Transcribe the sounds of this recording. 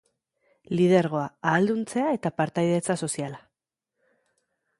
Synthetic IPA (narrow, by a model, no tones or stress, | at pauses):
lið̞eɾɣ̞o̞aaːld̪unt͡se̞ae̞t̪apaɾt̪ajðe̞t͡saso̞siala